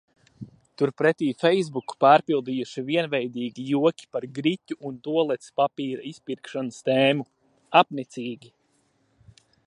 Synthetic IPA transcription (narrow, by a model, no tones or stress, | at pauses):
t̪uɾpɾɛt̪iːfɛjzbuku̥paːɾpilˠd̪ijuʃiviɛnvɛjd̪iːɡʲijuɔkʲi̥paɾɡɾitʲuʔunt̪uɔlˠɛt̪spapiːɾaispiɾkʃanəst̪ɛːmu | apnɛt̪siːɡʲi